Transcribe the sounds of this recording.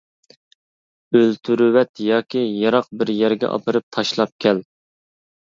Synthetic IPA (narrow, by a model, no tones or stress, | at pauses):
ølt̪ʰyɾwɛt̪jɑːkʲijɑɾɑq̚bɪɾjæɾɡʲɛ̰ʔɑ̰pɨɾɨp̚t̪ʰɑʃlˠɑp̚kʲʰɛl